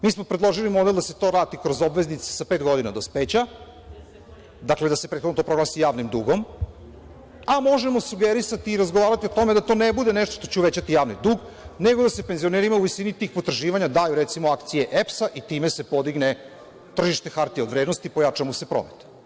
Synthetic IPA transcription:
miːsmo̞pɾedlˠo̞ʒilimo̞d̪elˠd̪ase̞t̪o̞ːɾaːt̪ikɾo̞zobʋe̞znit̪se̥sapeːt̪ɡo̞d̪inad̪ospet͡ɕa | d̪akle̞d̪asepɾet̪xonot̪opɾo̞ɡlasijaːʋnimd̪uːɡo̞m | amo̞ʒemo̞suɡeɾisat̪iːɾazɡoʋaːɾat̪iot̪o̞me̞d̪at̪o̞ːnebud̪e̞neʃt̪oʃt̪ot͡ɕeuʋet͡ɕat̪ijaːʋnid̪uːɡ | ne̞ɡod̪ase̞penzio̞neːɾimauʋisinit̪iːxpot̪r̩ʒiːʋaɲad̪aːjuɾet̪simoakt̪sije̞ʔepsaʔit̪iːme̞se̞po̞d̪iɡne | t̪r̩ʒiʃt̪e̞xaɾt̪ieo̞d̪ʋɾed̪nost̪ipo̞jat͡ʃamose̞pɾo̰met̪

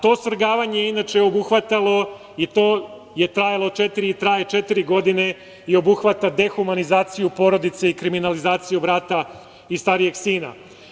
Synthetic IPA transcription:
t̪o̞ːsr̩ɡaːʋaɲejeinat͡ʃeo̞buxʋat̪alˠo̞ | it̪o̞ː | je̞t̪ɾajalˠo̞t͡ʃe̞t̪iɾiit̪ɾaːjet͡ʃe̞t̪iɾiɡo̞d̪ine̞ | io̞buxʋat̪ad̪e̞xumanizaːt̪sijupo̞ɾo̞d̪it̪se̞ikɾiminalizaːt̪sijubɾaːt̪a | ist̪aɾije̞ɡsiːna̰

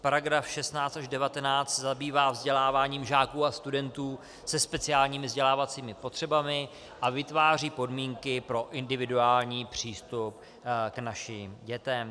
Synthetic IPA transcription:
paɾaɡɾafʃɛst̪naːt͡st̪aʒdɛvat̪ɛnaːt͡st̪sɛzabiːvaːvzɟɛlaːvaːɲiːmʒaːkuːast̪udɛnt̪uː | sɛspɛt͡sɪaːlɲiːmɪvzɟɛlaːvat͡siːmɪpo̞t̪r̝̥ɛbamɪ | ʔavɪt̪vaːriːpo̞dmiːŋkɪpɾo̞ʔɪndɪvɪduaːlɲiːpr̝̥iːst̪up | knaʃɪmɟɛt̪ɛm

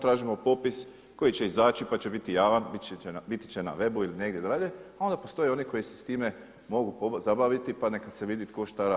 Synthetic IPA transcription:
t̪ɾaːʒimo̞po̞pis | ko̞jit͡ʃe̞izaːt͡ʃipat͡ʃebit̪ijaːʋanbbit̪i̥t͡ʃena̰ʋe̞builine̞ɡd̪ʲjed̪ɾaʎeao̞nd̪apo̞st̪o̞jeo̞niko̞jisest̪iːme̞ | mo̞ɡupozabaʋit̪ipane̞kad̪seʋid̪it̪ko̞ʃt̪aɾa

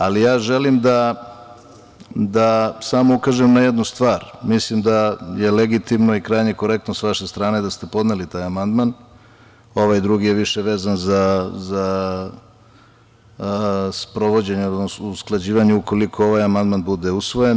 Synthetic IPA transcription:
alijaːʒe̞limd̪a | d̪asamo̞ukaʒemnajed̪nust̪ʋaːɾmislimd̪aje̞leɡit̪imnoikɾajɲe̞ko̞ɾe̞kt̪nosʋaʃest̪ɾaːned̪ast̪e̞po̞d̪nelit̪aːjamand̪man | o̞ʋajd̪ɾuɡije̞ʋiʃeʋeːzanzaza | spɾo̞ʋo̞d͡ʑe̞ɲeod̪nosuusklˠad͡ʑiːʋaɲeuko̞likʰo̞oʋajamand̪manbud̪eusʋo̞jen

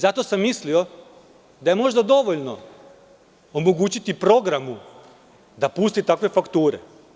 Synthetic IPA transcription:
zat̪o̞samːislio̞ | d̪aje̞mo̞ʒd̪ad̪o̞ʋo̞ʎno̞ | omo̞ɡuːt͡ɕit̪ipɾo̞ɡɾamu | d̪apust̪it̪akʋe̞fakt̪uːɾḛ

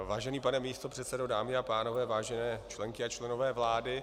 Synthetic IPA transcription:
vaːʒɛniːpanɛmiːst̪opr̥ɛt̪sɛdodaːmɪapaːno̞vɛːvaːʒɛnɛːt͡ʃlɛŋkɪat͡ʃlɛno̞vɛːvlaːdɪ

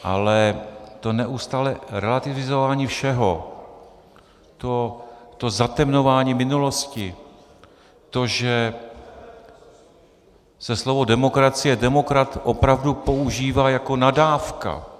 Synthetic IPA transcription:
ʔa̰lɛt̪o̞nɛʔust̪aːlɛɾɛlat̪ɪvɪzovaːɲiːfʃɛɦo̞ | t̪ot̪o̞zat̪ɛmno̞vaːɲiːmɪnulo̞scɪ | t̪o̞ʒɛ | sɛslo̞vo̞dɛmo̞kɾat͡sɪjɛdɛmo̞kɾat̪ʔo̞pɾavdupo̞uʒiːvaːjako̞nadaːfka̰

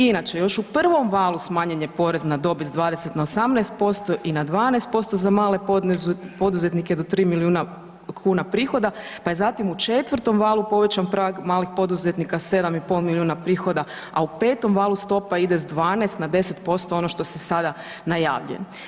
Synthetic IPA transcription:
inat͡ʃejo̞ʃupr̩ʋo̞mʋaːlˠusmaːɲeɲe̞po̞ɾeznad̪o̞bizd̪ʋaːd̪ese̞t̪naosamnɛːst̪̚po̞st̪o̞ʔinad̪ʋaːnɛest̪̚po̞st̪o̞zamaːle̞ozpo̞d̪uze̞t̪niked̪o̞t̪ɾiːmilijuːna | kʰuːnapɾiːxo̞d̪apajezat̪imut͡ʃet̪ʋərt̪o̞mʋaːlˠupo̞ʋe̞t͡ɕampɾaɡmaːlixpo̞d̪uzet̪nikase̞d̪amipo̞lˠmiljuːnapɾiːxo̞d̪a | aupe̞ːt̪o̞mʋaːlˠust̪o̞paid̪e̞zd̪ʋaːnɛst̪nad̪e̞se̞t̪po̞st̪o̞o̞noʃt̪o̞sesad̪a | naja̰ːʋʎujen

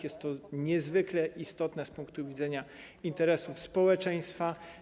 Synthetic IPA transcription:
jɛst̪ːɔɲɛzvɘklɛʔist̪ɔt̪nɛspuŋkt̪uvʲidzɛɲa | int̪ɛɾɛsufspɔwɛt͡ʂɛj̃st̪fa

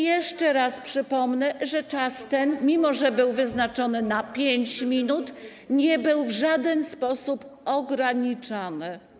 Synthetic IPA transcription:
jɛʂt͡ʂɛɾaspʂɘpɔmnɛʐɛt͡ʂast̪ɛnmʲimɔʐɛbɘwvɘznat͡ʂɔnɘnapʲjeɲt͡ɕmʲinut̪ | ɲɛbɘwvʐad̪ɛnspɔsupɔɡɾaɲit͡ʂanɘ

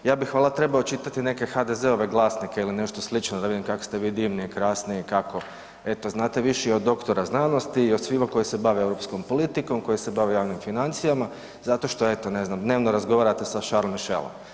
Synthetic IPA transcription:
jaːbixʋaːlat̪ɾe̞baot͡ʃit̪at̪ine̞ke̞xad̪e̞zeoʋe̞ɡlˠaːsnikeiline̞ʃt̪oslit͡ʃnod̪aid̪imkako̥st̪e̞ʋiːd̪iʋniikɾaːsnikako̞ | e̞t̪o̞znaːt̪eʋiʃiod̪ːo̞kt̪o̞ɾaznaːnost̪iːod̪sʋimakojise̞baʋeewɾopsko̞mpo̞lit̪iko̞mko̞jisebaʋejaːʋnimfinant̪sijama | zat̪o̞ʃt̪oet̪one̞znamd̪ne̞ːʋnoɾazɡo̞ʋaːɾat̪esaʃaɾlomiʃḛlˠo̰m

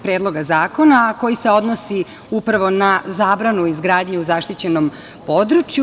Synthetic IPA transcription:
pɾeːd̪lˠo̞ɡazaːko̞nako̞jiseo̞d̪nosi | upɾaʋo̞nazaːbɾanuizɡɾaːd̪ɲeuzaʃt̪it͡ɕe̞no̞m | po̞d̪ɾut͡ʃju

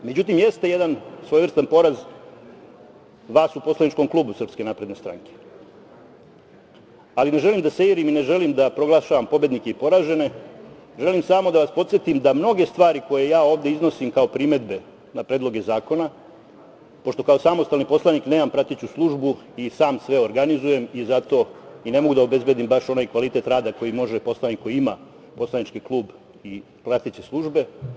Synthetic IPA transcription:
me̞d͡ʑut̪imje̞st̪e̞jed̪ansʋojʋr̩st̪anpo̞ɾaz | ʋaːsupo̞slˠanit͡ʃko̞mklˠuːbusr̩pske̞naːpɾe̞d̪ne̞st̪ɾa̰ŋke̥ | aline̞ʒe̞limd̪aseiɾimine̞ʒe̞limd̪apɾo̞ɡlˠaʃaʋampo̞bje̞d̪nike̞ipo̞ɾaːʒe̞ne̞ʒe̞limsamo̞d̪aʋaspo̞t̪sje̞t̪imd̪amno̞ɡe̞st̪ʋaːɾiko̞je̞jaːo̞ːʋd̪e̞izno̞simkao̞pɾime̞d̪be̞ | napɾed̪lˠo̞ɡe̞zaːko̞na | po̞ʃt̪o̞kao̞samo̞st̪alnipo̞slˠanikne̞ːmampɾat̪it͡ɕuslˠuʒbu | isaːmsʋe̞o̞ɾɡanizuje̞mizat̪o̞ine̞mo̞ɡud̪aobe̞zbe̞d̪imbaʃo̞naːjkʋalit̪e̞t̪ɾaːd̪ako̞jimo̞ʒepo̞slˠanikːo̞jiima̰ | po̞slˠanit͡ʃkiklˠuːb | i | pɾat̪it͡ɕeslˠuʒbe̞

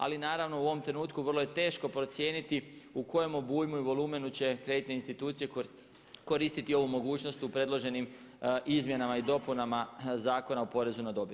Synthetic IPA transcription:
a̰linaːɾaʋno̞uo̞ʋo̞mt̪ɾe̞nuːt̪kuʋrlˠo̞jet̪e̞ːʃko̞pɾo̞t̪sje̞ːnit̪iuko̞jemobuːjmuiʋo̞lˠuːme̞nut͡ɕe̞kɾe̞d̪it̪neinst̪it̪uːt̪sije̞ | ko̞ɾist̪it̪io̞ʋumo̞ɡuːt͡ʃno̞st̪upɾe̞d̪lˠo̞ʒe̞nim | ʔizmje̞namaid̪o̞punamazaːko̞naupo̞ɾe̞zunad̪o̞bi

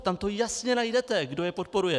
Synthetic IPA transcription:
t̪amt̪o̞jasɲɛnajdɛt̪ɛɡdo̞jɛpot̪̚po̞ɾujɛ

